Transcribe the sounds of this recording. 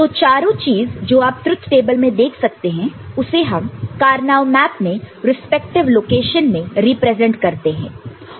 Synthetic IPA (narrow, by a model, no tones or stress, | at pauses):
t̪oːt͡ʃaːɾõt͡ʃiːzd͡ʒoːaːp̚t̪ɾʊt̪ʰːʈeːbəlmẽd̪eːkʰsɐk̚t̪eɦɛ̃ʊseɦɐmkaːɾnaːʋmɛːpmẽɾɪspɛk̚ʈɪʋloːkeːʃənmẽɾiːpɾɛːzɛ̃ɳʈkɐɾt̪eɦɛ̰̃ː